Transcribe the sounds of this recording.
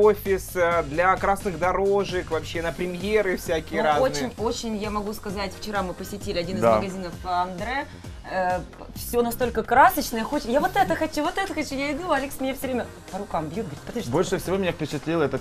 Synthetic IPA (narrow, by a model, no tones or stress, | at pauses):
ofʲɪssd̪lʲɐkɾasnɨɣd̪ɐɾoʐɨkvɐpɕːenəpɾʲɪmʲjeɾɨfsʲækʲɪjəɾazont͡ɕɪnʲot͡ɕɪnʲjamɐɡuskɐzatʲft͡ɕɪɾamɨpəsʲɪtʲilʲɪɐdʲinɨzd̪aməɡɐzʲinəfɐnd̪ɾɛ | fsʲo̞nɐst̪o̞lʲkəkɾasət͡ɕnəjəxot͡ɕɪjavot̪ɛt̪əxɐt͡ɕuvo̞t̪ɛt̪əxɐt͡ɕujaɪd̪uɐlʲeksmʲɪnʲafsʲɵvɾʲemʲə | pəɾʊkambʲjut̪̚ɡəvɾʲit̪pət̪iʂbolʲʂɨfsʲɪvomʲɪnʲafpʲɪt͡ɕɪt̪lʲilˠɛt̪ə